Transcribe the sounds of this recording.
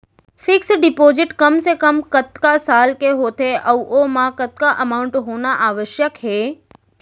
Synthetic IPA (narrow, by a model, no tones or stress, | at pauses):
fɪksɖɪpozɪʈkəmsekəmkət̪kasalkeɦot̪ʰeʔəʋomãkət̪̚kaʔəmaʊɳʈɦonaʔaʋəʃjəkɦe